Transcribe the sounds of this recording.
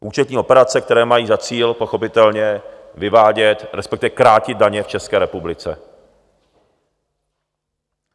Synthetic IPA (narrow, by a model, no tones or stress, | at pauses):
ʔuːt͡ʃɛt̪ɲiːo̞pɛɾat͡sɛk̚t̪ɛɾɛːmajiːzat͡siːlpo̞xo̞pɪt̪ɛlɲɛ | vɪvaːɟɛt̪ɾɛspɛkt̪ɪvɛkɾaːcɪd̪̚daɲɛft͡ʃɛskɛːɾɛpublɪt͡sɛ̰